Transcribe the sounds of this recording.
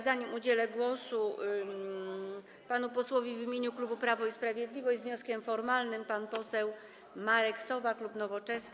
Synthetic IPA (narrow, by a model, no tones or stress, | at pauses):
zaɲimud͡ʑelɛɡwɔsu | panupɔswɔvʲivʲːimʲjeɲuklubupɾavɔispɾavʲjed̪lʲivɔɕzvɲɔskʲɛmfɔɾmalnɘmpanpɔsɛw | maɾɛksɔvaklupnɔvɔt͡ʂɛs